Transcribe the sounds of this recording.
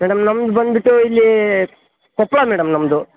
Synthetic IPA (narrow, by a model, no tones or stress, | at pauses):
mɛːɽɐmnɐmd̪ubɐnd̪biʈːuilːi | kɔpːɭaːmɛːɽɐmnɐmɐd̪u